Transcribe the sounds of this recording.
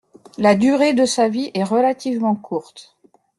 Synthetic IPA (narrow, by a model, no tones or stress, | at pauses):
lad̪yʁed̪əsaviʔɛʁəlat̪ivmɑ̃kʰuʁt̪